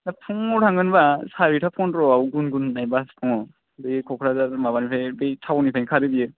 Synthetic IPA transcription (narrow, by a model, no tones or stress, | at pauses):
napʰuŋɔɾʰaŋɡɯnbasaɾitʰapʰɔnɾɔawɡunɡunːajbaspʰɔŋɔ | bɯkʰɔkʰɾazaɾmabanipʰajbejtʰawnipʰajnkʰaɾɯbijɯ